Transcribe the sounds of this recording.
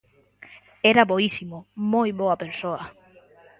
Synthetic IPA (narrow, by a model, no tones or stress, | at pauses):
eɾaβoisimomojβoɐpeɾsoɐ